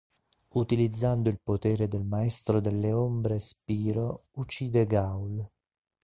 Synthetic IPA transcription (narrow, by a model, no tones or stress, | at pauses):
ut̪ilid̪zːand̪ʊilpot̪ɛːɾed̪elmaɛst̪ɾod̪elːeombɾespiːɾout͡ʃːiːd̪eɡawl